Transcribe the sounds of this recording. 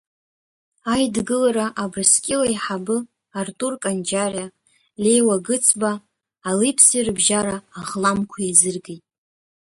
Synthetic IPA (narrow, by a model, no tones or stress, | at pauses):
ajdɡɨlaɾaʔabrɨskʲʼɪlaiħabɨ | artʼurkʼand͡ʒarja | le̞jwaɡɨt͡sʰbaː | lipʰsirbʒaɾaːʁlamkʷʰaizɨrɡejtʼ